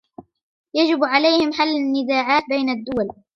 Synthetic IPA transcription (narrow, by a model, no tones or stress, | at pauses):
jad͡ʒɪbʕalajhɪmħalːanːɪzaːʕaːt̪̚bajnad̪ːʊwal